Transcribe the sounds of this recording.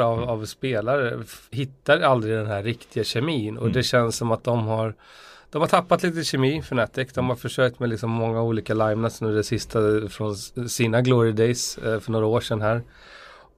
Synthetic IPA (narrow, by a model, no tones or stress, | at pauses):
avavspeːlaɾəhɪt̪ːaɾald̪ɾɪd̪ɛnɦæɾːɪkt̪ʰɪɡaɕɛmiːnɔ̰d̪ɛɕɛnssɔmat̪̚d̪ɔmhaɾ | d̪̥ɔmhaʈ̪ʰapːat̪liːt̪əɕɛmiːfœɳɛt̪ːɪkd̪ɔmhaɾfœʂœːk̚t̪mɛlɪksɔmːɔŋːauːliːkalajmnat̪snʉːɖ̪ɛsɪst̪ʰafɾɔnsiːnaɡloːɾɪd̪ɛjsfœɳoːɾaoːʂɛnɦæːɾ